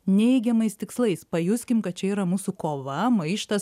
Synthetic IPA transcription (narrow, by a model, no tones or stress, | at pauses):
nʲɛɪɡʲɛmɐɪst̪ʲɪkslˠɐɪspɐjʊsʲkʲɪmkɐt̪̚t͡ʃʲɛiːɾɐmuːsʊkoːʋɐmɐɪʃt̪ɐs